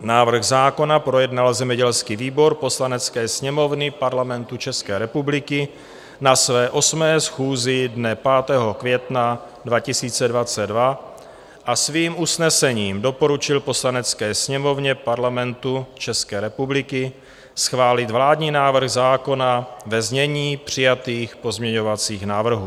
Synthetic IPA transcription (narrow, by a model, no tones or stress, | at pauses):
naːvr̩ɣzaːko̞napɾo̞jɛdnalzɛmɛɟɛlskiviːbo̞ɾpo̞slanɛt͡skɛːsɲɛmo̞vnɪpaɾlamɛnt̪ut͡ʃɛskɛːɾɛpublɪkɪ | nasvɛːʔo̞smɛːsxuːzɪdnɛpaːt̪ɛːɦo̞kvjɛt̪na | dvacɪsiːt͡sɛdvat͡sɛdva | ʔasviːmʔusnɛsɛɲiːmdo̞po̞ɾut͡ʃɪlpo̞slanɛt͡skɛːsɲɛmo̞vɲɛpaɾlamɛnt̪ut͡ʃɛskɛːɾɛpublɪkɪ | sxvaːlɪt̪vlaːdɲiːnaːvr̩ɣzaːko̞navɛzɲɛɲiːpr̝̥ɪjat̪iːxpo̞zmɲɛɲo̞vat͡siːxnaːvr̩ɦuː